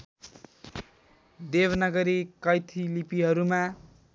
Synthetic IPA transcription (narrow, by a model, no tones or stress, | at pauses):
d̪ebʌnʌɡʌɾikʌjt̪ʰilipiɦʌɾuma